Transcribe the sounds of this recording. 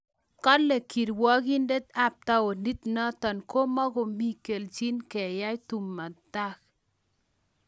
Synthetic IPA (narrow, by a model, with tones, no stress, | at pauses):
ka˦le˨ki˨ɾwɔ˦ki˦nde˦t̪a˦p̚t̪a˦o˨ndi˦t̪na˦t̪a˨nko˦mɔ˦ɣo˨mi˦ke˨lt͡ʃi˦nkɛ˨ja˦jt̪u˨mːa˨t̪a˦k